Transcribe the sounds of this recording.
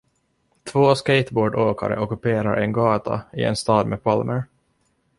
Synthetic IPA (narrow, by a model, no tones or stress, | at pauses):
t̪ʰvoːskejt̪boːɖoːka̰ɾə̰ʔɔkɵpeːɾaɾʔɛnɡɑːt̪ʰa̰ɪ̰ɛ̰nst̪ɑːd̪mepʰɑlmʔəɾ